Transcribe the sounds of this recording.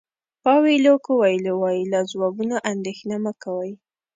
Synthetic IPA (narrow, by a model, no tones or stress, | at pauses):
pɑwilokowajlowɑjilazwɑɡunaʔand̪exnamakawaj